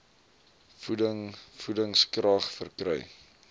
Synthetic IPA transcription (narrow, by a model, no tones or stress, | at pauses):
fudəŋfudəŋskrɐχfərkrœ̰j